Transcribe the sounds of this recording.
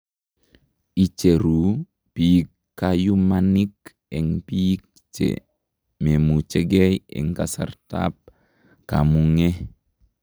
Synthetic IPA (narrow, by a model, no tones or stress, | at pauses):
it͡ʃeɾu | pikːajumanik | eŋpik | t͡ʃḛ | memut͡ʃeɡejḛŋkasa̰ɾta̰p̚ | ka̰muŋe